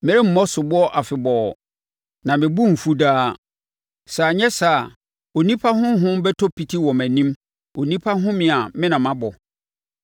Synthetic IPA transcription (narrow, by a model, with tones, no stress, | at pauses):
mɛ˨ɾe˦m̩˦mɔ˦sʊ˨bʊ˦ɔ˦ʔa˨fɪ˨bɔː˨ | nã˨mɪ̃˨bu˦m̩˨fu˦daː˦ | sa˨ɲɛ̃˦sa˨ | o˨nĩ˦pʰa˦ɦʊ̃˦ɦʊ̃˦mbɛ˦tʰɔ˦pʰi˦tʰi˦wɔ̃˨mæ̃˨nĩ˦m | o˨nĩ˦pʰa˦ɦʊ̃˦mɪ̃˨a˨mɪ̃˦nã˨mã˦bɔ˨